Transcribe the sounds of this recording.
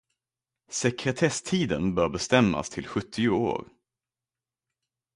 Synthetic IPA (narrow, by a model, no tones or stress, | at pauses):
sɛkɾɛt̪ʰɛst̪ʰiːd̪ənbœːɾbɛst̪ɛmːa̰st̪ʰɪlɧɵt̪ʰːɪʊo̰ːɾ